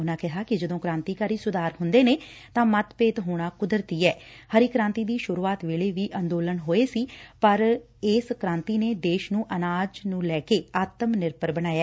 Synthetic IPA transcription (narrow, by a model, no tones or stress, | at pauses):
ʊnãːkɛɦaːkɪd͡ʒəd̪õːkɾãːnt̪iːkaːɾiːsʊd̪aːɾɦʊnd̪eːneː | t̪ãːmət̪peːt̪ɦoːɽ̃aːkʊd̪əɾt̪iːɛːhəɾiːkɾãːnt̪iːd̪iːʃʊɾuːaːt̪ʋeːleːʋiːʔənd̪oːlənɦoːeːsiːpəɾ | ɪːskɾãːnt̪iːneːd̪eːʃnũːʔənaːd͡ʒnũːlɛːkeːaːt̪əmnɪɾpəɾbəñaːjaː